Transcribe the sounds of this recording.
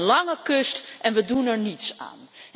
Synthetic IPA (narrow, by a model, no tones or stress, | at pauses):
nlɑŋəkɵstʔɛnʋədunɛɹnitsa̰ːn